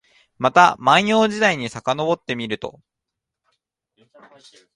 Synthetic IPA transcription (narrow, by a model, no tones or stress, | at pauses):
mat̪amãɰ̃jo̞ːd͡ʑid̪aiɲ̟isakano̞bo̞t̪ːe̞mʲiɾɯ̟t̪o̞̰